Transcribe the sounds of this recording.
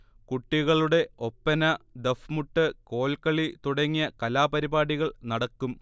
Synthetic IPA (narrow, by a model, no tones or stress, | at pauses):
kuʈːiɣɐɭuɽe̞o̞pːɐnɐd̪efmuʈːɨko̞ːlkɐɭit̪uɽɐŋːijɐkɐlaːpɐɾibaːɽiɣɐɭnɐɽɐkːum